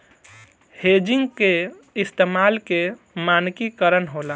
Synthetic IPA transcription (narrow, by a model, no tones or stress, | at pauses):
hed͡ʒɪŋɡke | ɪst̪emaːlke | maːnkikəɾənɦolaː